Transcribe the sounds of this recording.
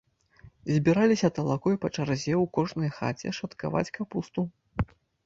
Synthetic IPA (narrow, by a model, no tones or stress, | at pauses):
zʲbʲiɾalʲisʲɐt̪ɐlˠakɔjpɐt͡ʂarzʲɛwkɔʐnɐjxa̰t͡sʲɛ̰ʂɐt̪ka̰va̰t͡sʲkapust̪u